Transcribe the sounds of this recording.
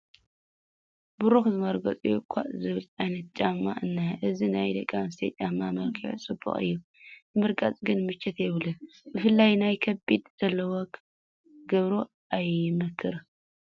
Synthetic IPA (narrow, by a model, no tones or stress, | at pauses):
bʊɾuxzɨmɐɾɡɐt͡sʼujukʷʰa̰ʔzɨβɨlajnɐt̪̚t͡ʃʼamːa̰ʔɨnːaʔɨzinajd̪ɐkʼːamst̪ʰet͡ʃʼamːamɐlkʰiʕt͡sʼɨbːṵχʼɨ̰jːu | bɨmɨɾkʼat͡sʼɡɨnmɨt͡ʃːɛt̪jɛβɨlɨn | bɨfɨlːajnajkʰɐbid̪z̥ɐlːɐwok | ɡɐβɾo | ʔajɪmɐkʰːɨɾ